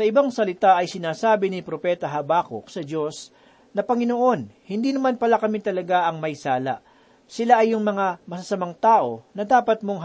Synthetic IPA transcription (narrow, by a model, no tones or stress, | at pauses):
sɐʔɪbaŋsɐlɪt̪aʔɐjsɪnaːsaːbɪnɪpɾo̞pɛːt̪ɐɦɐbaːko̰k̚sɐd͡ʒo̞s | nɐpɐŋɪnoʔo̞nhɪnd̪iːnɐmanpɐlakɐmit̪ɐlɐɡaʔɐŋmɐjsaːla̰ʔ | sɪlaʔɐjːʊŋmɐŋamɐsɐsɐmaŋt̪aːʔo̞nɐd̪aːpɐt̪̚mo̞ŋɦ